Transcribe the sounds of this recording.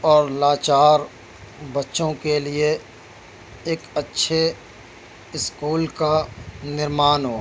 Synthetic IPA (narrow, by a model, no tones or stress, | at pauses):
ɔːɾlaːt͡ʃaːɾ | bɐtːʃõkelie | eːkɐtːʃʰe | ɪskuːlkanɪɾmaːnɦoː